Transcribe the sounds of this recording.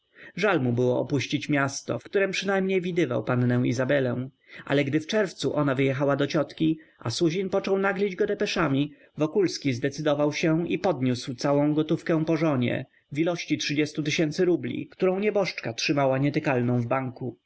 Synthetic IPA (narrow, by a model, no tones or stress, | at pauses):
ʐalmubɘwɔɔ̰puɕt͡ɕit͡ɕmʲjast̪ɔ̰fkt̪uɾɛmpʂɘnajmɲejvʲid̪ɘva̰wpanːɛ̃w̃ḭzabɛlɛ̃w̃ | ʔa̰lɛɡd̪ɘft͡ʂɛɾft̪suʔɔnavɘjɛxawad̪ɔt͡ɕɔt̪kʲiʔa̰suʑinpɔt͡ʂɔwnaɡlʲid͡ʑɡɔd̪ɛpɛʂamʲi | vɔkulskʲizd̪ɛt̪sɘd̪ɔvawɕɛipɔd̪ɲuswt̪sawɔ̃w̃ɡɔt̪ufkɛ̃w̃pɔʐɔɲɛ̰ | vilɔɕt͡ɕitʂɘd͡ʑɛst̪ut̪ɘɕɛnt̪sɘɾublʲḭkt̪uɾɔ̃w̃ɲɛbɔʂt͡ʂkatʂɘmawaɲɛt̪ɘkalnɔ̃w̃vbaŋku